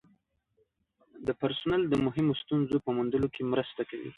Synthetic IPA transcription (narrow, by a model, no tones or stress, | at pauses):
d̪əpaɾsʊnald̪əmʊɦɪmost̪unzopəmund̪əlokemɾəst̪akawḭ